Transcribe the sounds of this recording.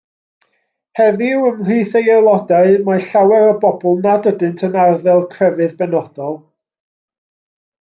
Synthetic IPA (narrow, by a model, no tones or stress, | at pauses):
hɛðiwəmr̥iːθejɛlˠɔdaɨmaɬawɛɾəbɔbɔlˠnadədɨntʰənarðɛlˠkʰrɛvɨðbɛnɔd̥ɔlˠ